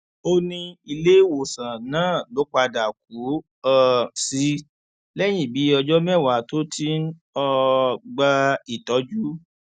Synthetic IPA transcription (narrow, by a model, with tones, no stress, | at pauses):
o˧nĩ˧i˧le˦wo˨sã˨nãː˦˨lo˨˦k͡pa˧da˨k̚u˨˦ | ɔ˦˧si˨˧˦ | lɛ˦j̃ĩ˦˨bi˨˦ɔ˧d͡ʒɔ˦mɛ˦˨wa˨˦˨to˦tʰi˦n | ɔ˧ɡ͡ba˧i˨tɔ˨˦d͡ʒu˦